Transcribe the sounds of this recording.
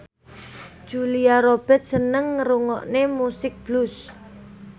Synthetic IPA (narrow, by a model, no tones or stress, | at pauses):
d̥ʒ̥uliaɾob̥ɛt̪̚sənəŋːəɾuŋɔ̰ʔnemusɪk̚b̥lus